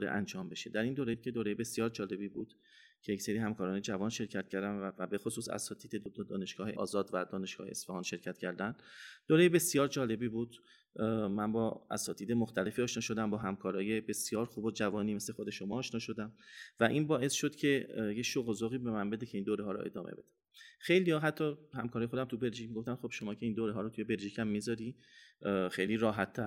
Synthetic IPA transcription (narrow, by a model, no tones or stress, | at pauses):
ɾḛʔæ̰nd͡ʒɒːmbe̞ʃe̞d̪æɾind̪oːɾed̪̥̚cʰe̞d̪oːɾe̞jebe̞sjɒːɾd͡ʒɒːle̞biːbuːd̪̥ | cʰejecse̞ɾiːhæmkɒːɾɒːne̞d͡ʒævɒːnʃe̞ɾcʰæt̪̚cʰæɾd̪æmvæbe̞xosuːsæ̰sɒːt̪ʰiːd̪ed̪od̪d̪ɒːne̞ʃɡ̥ɒːheʔɒ̰ːzɒːd̪væd̪ɒːneʃɡɒ̰ːheesfɒhɒːnʃe̞ɾcʰæt̪cʰæɾd̪ænd̪̥d̪̥oːɾejebe̞sijɒːɾd͡ʒɒːle̞biːbuːd̪̥ | mænbɒːæ̰sɒːt̪ʰiːd̪e̞moxt̪ʰæle̞fiːɒːʃnɒːʃo̞d̪æmbɒːɦæmkʰɒːɾɒːje̞be̞sjɒːɾxuːbod͡ʒævɒːniːme̞sle̞xod̪e̞ʃo̞mɒːʔːʃnɒːʃod̪æmvæʔinbɒːʔe̞sʃo̞d̪̥cʰe̞jecʃoɣozoːɣiːbe̞mænbe̞d̪ecʰe̞iːnd̪oːɾeɦɒːɾo̰ʔe̞̰d̪ɒ̰ːmʔḛbe̞̰d̪æ | xe̞jliːjɒːɦæt̪ʰːɒːhæmkʰɒːɾɒːjexod̪æmt̪ʰube̞lʒiːcmiɡo̞ft̪æmxo̞b̥ʃo̞mɒːcʰe̞iːnd̪oːɾeɦɒːɾot̪ʰuje̞be̞lʒiːcʰæmːizɒɾiː | xejliːɾɒːɦæt̪ʰːæɾ